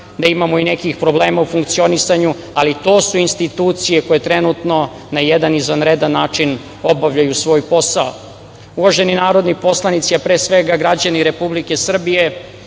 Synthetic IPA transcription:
d̪aimamoinekixpɾo̞bleːmaufuŋkt̪sio̞nisaɲu | alit̪o̞ːsuinst̪it̪uːt̪sije̞ko̞je̞t̪ɾenut̪no̞ | najed̪anizʋanɾed̪anːaːt͡ʂin | o̞baʋʎajusʋo̞ːjpo̞sao̰ | uʋaʒe̞ninaːɾo̞d̪nipo̞slˠanit̪siapɾe̞ːsʋeɡaɡɾad͡ʑaniɾe̞publike̞sr̩bije̞

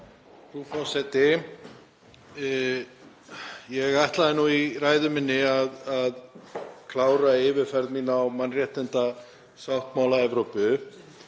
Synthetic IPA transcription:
rumawsɛt̪ɪ | jɛɣajht̪laðɪnːuiɾaːjðʏmɪnːɪaðaðkʰlaːwɾaɪvɪɾ̥fɛɾðmiːnawmanrjɛht̪ɪnt̪a | sawht̪mawlaɛvɾowpʏ

